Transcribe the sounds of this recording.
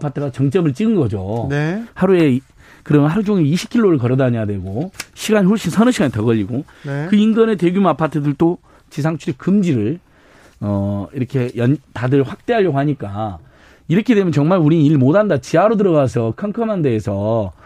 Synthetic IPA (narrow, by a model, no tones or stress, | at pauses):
pʰatʰɯɡat͡ɕʌŋt͡ɕ͈ʌmɯɭt͡ɕ͈iɡɯnɡʌd͡ʑonehaɾue̞ | kɯɾʌmjnɦaɾud͡ʑoŋeiɕʰi̥p̚kʰiɭːoɾɯɭkʌɾʌdaɲjadwe̞ɡoɕʰiɡaɲiɸoɭɕ͈isʰʌnɯɕʰiɡaɲitʌɡʌʎːiɡo | ekɯinɡʌnetwe̞ɡjumapʰatʰɯdɯɭt͈o | t͡ɕis̬ʰaŋt͡ɕʰuɾekɯmd͡ʑiɾɯɭ | ʌiɾʌkʰe̞jʌntadɯɭɸwak̚t͈e̞ɦaɭʎːʌɡohaɲik͈a | iɾʌkʰedemjʌnt͡ɕʌŋmaɭuɾiniɭmodandat͡ɕiaɾodɯɾʌɣas̬ʰʌkʰaŋkʰʌmande̞ːsʰʌ